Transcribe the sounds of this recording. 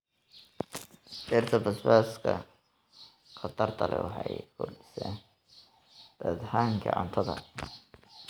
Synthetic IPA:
ɛrt̪ʰɐbɐsbaːskʰɐ | qɑt̪ʰɐrt̪ʰɐlɛ̰wɑħɑjkʰʊɖɪsɛːn | d̪̥aːd̪haːŋkʰɐʕʊnt̪ʰɐðɐ

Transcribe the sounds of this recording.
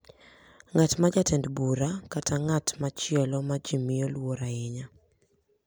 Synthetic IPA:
ŋatmad͡ʒatɛndbuɾakataŋatmat͡ʃɪɛlɔmad͡ʒimɪolwoɾaɪɲa

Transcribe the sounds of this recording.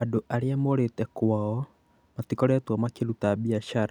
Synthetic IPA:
adoʔaɾiamoɾetɛkwaɔ | matikɔɾɛtwamakeɾutaβiaʃaɾa

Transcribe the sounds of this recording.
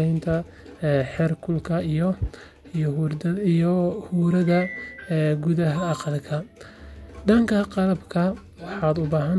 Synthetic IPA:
ɛjnt̪ʰɐ | ħɛrkʰʊlkʰɐijɔ | ijɔhuːɾɐðɐ | ɡʊðɐɦɐɑqɑlkʰɐ | ɖɐŋkʰɐqɑlɐbkʰɐ | wɑħɑːd̪ʊbaːɦɐn

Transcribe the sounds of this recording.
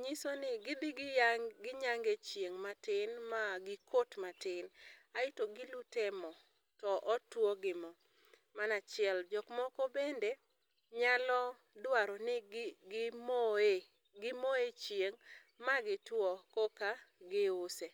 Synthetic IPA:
ɲisonɪɡɪbɪɡɡɪɲaŋɡet͡ʃjeŋmatɪnmaɡɪkʰotmatɪnaɪtoɡɪlutɛmɔ | tɔʔɔtwɔɡɪmɔ | manat͡ʃɪɛld͡ʒɔkmɔkɔbende | ɲalɔ | dwaɾɔnɪɡɪmoe | ɡɪmoet͡ʃjeŋ | maɡɪtwɔkokaɡɪʊse

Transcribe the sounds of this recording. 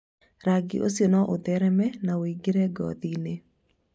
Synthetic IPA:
ɾaɡḭʔo̰sjonɔʔodɛɾɛmɛnawiɡeɾɛɡɔ̰ðine

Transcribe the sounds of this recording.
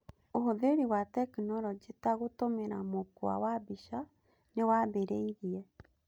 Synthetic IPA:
oɦoðeɾiwatɛkinɔɾɔd͡ʑetaɣotomeɾamokwa̰wabiʃa | newabeɾeiðiɛ

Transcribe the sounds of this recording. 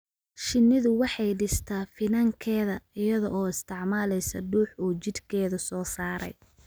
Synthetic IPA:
ʃɪnːɪðʊwɑħɑjɖɪst̪ʰaːfɪnɐŋkʰɛːðɐɪjɐðɔʔɔːɪst̪ʰɪʕmaːlɛjsɐɖuːħuːt͡ʃɪd̪kʰɛːðɐsɔːsaːɾɛ̰j

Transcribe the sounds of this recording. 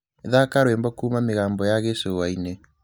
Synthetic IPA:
eðakaɾwembɔkuːmameɣaːmbɔjaɣesoːwaine

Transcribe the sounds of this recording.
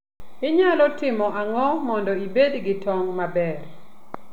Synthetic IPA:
ɪɲalɔtɪmɔʔaŋɔmɔndɔibedɡɪtɔŋmabɛr

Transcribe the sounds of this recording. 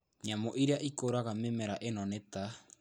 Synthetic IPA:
ɲamoʔiɾaʔikoɾaɣamemeɾaʔenonet̪a

